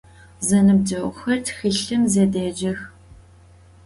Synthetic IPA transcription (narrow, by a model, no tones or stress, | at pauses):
zɐnɨb̚d͡ʒɐwʷxɐrtʰxɨɬɨmzeːdeːd͡ʒɐx